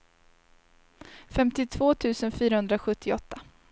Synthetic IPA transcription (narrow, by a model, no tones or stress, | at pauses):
fɛmt̪ɪt̪ʰvoːt̪ʰʉ̟ːsənfyːɾahɵnd̪ɾaɧɵt̪ːɪɔt̪ːa